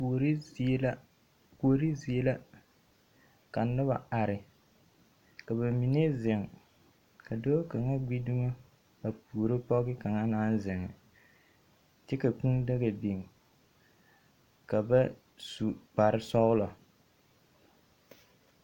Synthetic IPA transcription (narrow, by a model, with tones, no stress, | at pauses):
ɾi˦˨˦la˦ | ko˨o˨ɾi˦zi˨e˦la˦ | ka˨˦nʊ˦ba̰˨a˨ɾɪ˨ | ka˨βa˨mi˨ne˦zɪ˨ŋ | ka˨do˦ka˨ŋa˦ɡ͡bi˦du˦ŋo˦ | a˨pu˨ɾo˦pɔ˦ɡɪ˦ka˨ŋa˦naː˦n˦zɪ˨ŋɪ̰˨ | t͡ʃɛ˦ka˨kũ˦nda˦ɣa˨bi˨ŋ | ka˨ba˦ | su˨k͡pa˨ɾɪ˦sɔ˦lɔ˨